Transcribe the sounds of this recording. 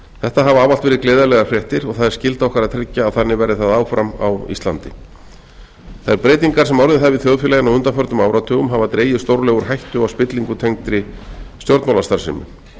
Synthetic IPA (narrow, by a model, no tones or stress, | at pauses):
θɛht̪aɦavaaːvalt̪vɛːɾɪklɛːðalɛɣafɾjɛht̪ɪɾɔɣθaðɛɾ̥scɪlt̪aɔhkaɾaðt̪ʰɾɪcːaːðθanːɪvɛːɾɪθaðaːwfɾama̰wḭst̪la̰nt̪ɪ | θaðɛɾpɾeːjt̪iŋkaɾ̥sɛmawɾðɪθavɪθjowðfɛlajɪnawhʏnt̪afœɾt̪ʏmaːwɾat̪ʰʏːɣʏmɦavat̪ɾeːjʏst̪owɾlɛɣʏɾ̥ɦajht̪ʏawspɪt̪liŋkʏt̪ʰejŋkt̪ɾɪst̪jɔwɾt̪mawlast̪aɾ̥sɪ̰mʏ̰